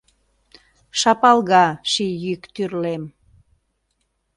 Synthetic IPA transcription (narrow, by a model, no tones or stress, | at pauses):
ʃɑpɑlɣɑʃijykt̪yrlem